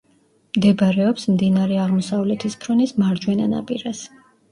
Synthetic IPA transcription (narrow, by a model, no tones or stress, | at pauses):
md̪ɛbaɾɛɔpsmd̪inaɾɛaʁmɔsavlɛt̪ʰispʰɾɔnismaɾd͡ʒwɛnana̰pʼiɾas